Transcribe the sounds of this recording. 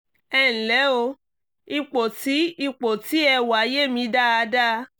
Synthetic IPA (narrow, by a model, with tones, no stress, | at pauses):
ɛ̃˧˨lɛ˨˦o˧ | i˧k͡po˨ti˨˦i˦˧k͡po˨ti˨˦ɛ˧wa˨˦je˦˨mĩ˧da˦˨a˧da˦˧